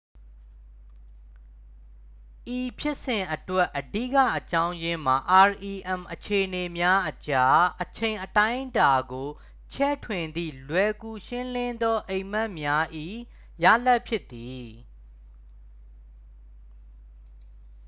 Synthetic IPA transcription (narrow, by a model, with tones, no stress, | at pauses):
ʔi˨pʰjɪ˦ʔsɪ̃˨ʔətwɛ˦ʔːədḭ˦˨kä̰˦˨ʔət͡ɕã˦ʊ̃jɪ̃˦m̥a˨ʔa˨ɹʔi˨ʔɛ̃˨mʔət͡ɕʰe˨ʔəne˨mja˦ʔət͡ɕa˦ʔət͡ɕʰẽ˨ɪ̃ʔətã˦ɪ̃ʔnta˨ɡo˨ | t͡ɕʰɛ̰˦˨tʰwɪ̃˨nd̪ḭ˦˨lwɛ˨ku˨ʃɪ̃˦lɪ̃˦nd̪ɔ˦ʔẽ˨ɪ̃m̥ɛ˦˨ʔmja˦ʔḭ˦˨ | ja̰˦˨lɛ˦˨ʔpʰjɪ˦t̪ːi˨